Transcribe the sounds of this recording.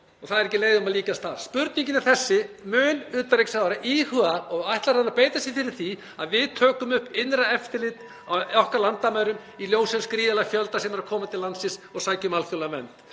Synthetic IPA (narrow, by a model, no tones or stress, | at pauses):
ɔɣθaðɾɛhcɪleːjðʏmaðliːkast̪θaɾ̥spʏɾt̪niɲcɪnɪɾθɛsːɪ | mʏːnʏːt̪aɾeksavaɾaʔihʏaɔɣajht̪laɾhanːaɾpejt̪asjɛfɪɾɪɾ̥θi | aðvɪðt̪ʰœːkʏmʏhpːɪnɾaɛft̪ɪɾlɪt̪ | aɔhkaɾlant̪amajɾʏm | iljoːwsɛnskɾiːðalafjœlt̪asɛmɛɾaɾkʰɔːmat̪ʰɪlansɪsɔɣsaːjcmalfjowlaamɛ̰nt̪